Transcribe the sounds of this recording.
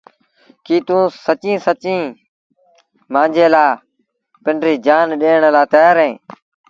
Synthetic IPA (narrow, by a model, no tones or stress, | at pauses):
kiːt̪ũːsət͡ʃĩːsət͡ʃĩː | mãːnd͡ʒeːlaː | pɪɳɖɾiːd͡ʒaːnɗeːɳlaːt̪ɛːɾẽː